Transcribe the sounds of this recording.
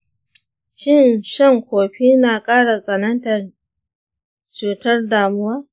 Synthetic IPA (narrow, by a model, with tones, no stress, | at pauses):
ʃɪ˦˨nʃɐ˦˨ŋkʷoː˨ɸiː˦naː˨kʼaː˦ɽa˨sʼɐ˨nɐ˦ntɐ˨ | t͡ʃuː˨tɐ˦rdaː˨mʊ˦waː˦